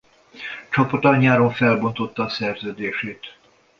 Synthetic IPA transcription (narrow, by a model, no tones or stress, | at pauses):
t͡ʃɒpot̪ɒɲːaːɾoɱfɛlbo̞nt̪o̞t̪ːɒːsɛrzøːd̪eːʃeːt̪